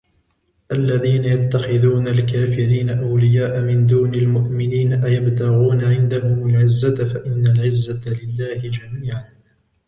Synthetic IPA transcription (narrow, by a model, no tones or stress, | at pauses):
ʔalːaðiːnajat̪ːaxɪðuːnalkaːfɪɾiːnaʔawlɪjaːʔamɪnd̪uːnalmʊʔmɪniːnaʔajabt̪aɣuːnaʕɪnd̪ahʊmʊlʕɪzːat̪faʔɪnːalʕɪzːalɪlːaːhɪd͡ʒamiiːʕan